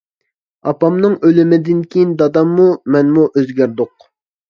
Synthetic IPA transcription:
ɑpɑmnɨŋølɪmɪd̪ɪnkʲʰijind̪ɑd̪ɑmːumɛnmuʔøzɡʲæɾd̪ʊq̚

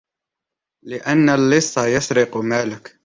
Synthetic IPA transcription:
lɪʔanːalːɪsˤːɑjɑsɾɪqmaːlɪk

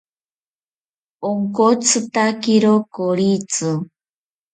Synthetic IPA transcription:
oŋkot͡sɨt̪akiɾokoɭit͡sɨ

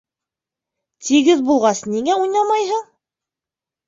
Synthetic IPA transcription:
t̪ʰiɡɘðbulˠʁɑsniŋæujnɑmɑjɦɤɴ

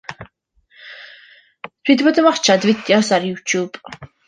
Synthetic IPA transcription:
tʰwiːd̪bɔd̪əmart͡ʃʰad̪vɪd̪jɔsarjut̪ʰub̥

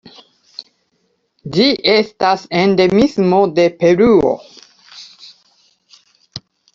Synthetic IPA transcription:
d͡ʒiʔest̪asẽnd̪emismod̪epeɾuo̰

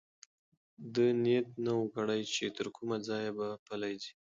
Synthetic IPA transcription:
d̪ənet̪̚nawəkɽajt͡ʃet̪əɾkʰumad͡zɑjabapalajd̪i

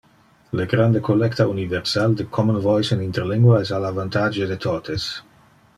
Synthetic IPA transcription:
leɡɾand̪ekʰolɛkt̪auniveɾsald̪ekʰɔmunvɔjsenint̪eɾliŋɡwaesalavant̪ad͡ʒed̪et̪ʰot̪es

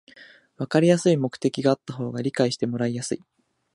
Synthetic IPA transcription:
βakaɾʲijasɨimo̞kɯ̟̥t̪e̞kʲiɡaːt̪ːaɦo̞ːɡaɾʲikaiɕi̥t̪e̞mo̞ɾaijasɨi

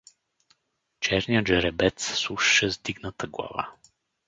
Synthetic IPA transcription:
t͡ʃɛɾnijəʒɛɾɛbɛt̪ssuʃʃɛzd̪iɡnət̪əɡlˠa̰va̰

